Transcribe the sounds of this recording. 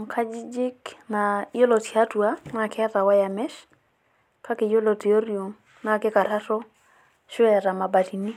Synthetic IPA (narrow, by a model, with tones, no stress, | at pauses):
ŋkʰa˦d͡ʒi˦d͡ʒɪ˦kna˨jo˦lɔ˨tja˦tu˨a˦na˨kɪ˦a˦ta˨wa˦ja˨mɛ˦ʃ | kʰa˦ke˨jo˦lo˨te˨o˦rjo˨ŋ | na˨kɪ˦ka˨ɾa˦tɔ˦ | ʃʊ˦ɛ˨ɾa˨ma˨ba˨ti˨ni˦